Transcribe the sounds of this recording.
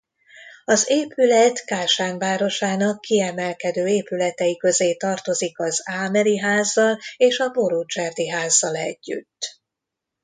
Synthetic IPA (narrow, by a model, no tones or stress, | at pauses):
ɒzeːpylɛt̪kaːʃaːnvaːɾo̞ʃaːnɒkːiɛmɛlkɛd̪øːeːpylɛt̪ɛjikø̞zeːt̪ɒrt̪o̞zikɒzaːmɛliɦaːzːɒleːʃɒbo̞ɾut͡ʃɛrd̪iɦaːzːɒlɛ̰ɟːy̰t̪ː